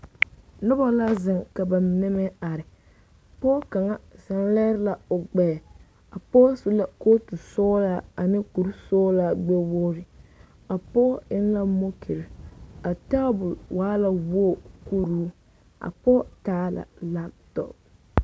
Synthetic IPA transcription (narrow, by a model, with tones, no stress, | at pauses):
nʊ˦ba˦la˦zɪ˨ŋka˨ba˨mɪ˨nɛ˦mɛ˦a˨ɾɪ˨ | pɔː˦ka˨ŋa˦sa˨n˦lɛ˦ɾɪ˦la˨ʊ˨ɡ͡bɛː˨ | a˨pɔː˦sʊ˦la˨ko˦tu˨sɔː˦la˦a˨nɪ˦ku˨ɾsɔː˦la˦ɡ͡bɛ˦woː˦ɾɪ˦ | a˨pɔː˦ɪ˦n˦la˦mo˦kʰi˨ɾɪ˨a˨ta˦bʊ˨lwaː˦la˦wo˦˨ku˦ɾuː˦ | ʔa̰˨pɔː˦taː˦la̰˨la˦p̚tɔ̰˦˨p̚